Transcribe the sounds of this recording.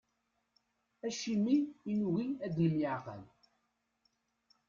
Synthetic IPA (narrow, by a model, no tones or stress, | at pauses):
æʃimːiːnuɣiæd̪ləljəʕqə̰l